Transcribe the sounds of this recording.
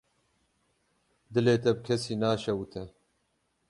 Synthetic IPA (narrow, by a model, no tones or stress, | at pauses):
d̪ɨleːt̪ɛb̚kʰɛsiːnaːʃɛwut̪ʰɛ